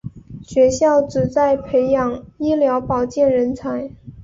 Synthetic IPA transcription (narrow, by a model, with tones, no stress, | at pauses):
ɕɥɛ˧˥ɕjɑ˥˩ʊʈ͡ʂɻ̩˨˩t͡sa˥˩ɪpʰe˧˥ɪjɑ˨˩ŋi˥ljɑ˧˥ʊpɑ˨˩ʊt͡ɕjɛ˥˩nɻə˧˥nt͡sʰa˧˥ɪ